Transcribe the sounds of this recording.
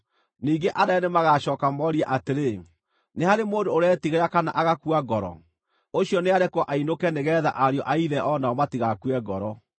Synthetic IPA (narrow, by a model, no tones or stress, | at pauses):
niːɡeʔadaɛnemaɣaɕɔːkamɔɾiaʔateɾe | nehaɾemoːndoːɾɛtiɣeɾakana̰ʔaɣakuaɡɔɾɔ̰ | oɕijɔneaɾɛkwɔʔainokɛneɣɛːða̰ʔaɾjɔʔaiðɛʔɔnaɔmatiɣakuɛɡɔɾɔ